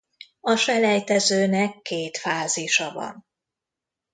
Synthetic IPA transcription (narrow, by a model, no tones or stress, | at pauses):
ɒʃɛlɛjt̪ɛzøːnɛkːeːt̪faːziʃɒvɒ̰n